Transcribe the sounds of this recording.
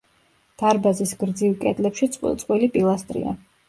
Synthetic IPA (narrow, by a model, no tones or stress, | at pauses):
d̪̥aɾbazisɡɾd̪zivkʼɛt̪ʼlɛpʃit̪sʼqʼwilipʼilˠast̪ʼɾḭa̰